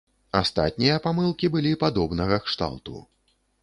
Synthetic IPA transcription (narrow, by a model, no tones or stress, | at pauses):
ast̪a̰t̪̚ʲnʲijɐpamɨlˠkʲibɨlʲipad̪ɔbnɐɣɐkʂt̪a̰lˠt̪ṵ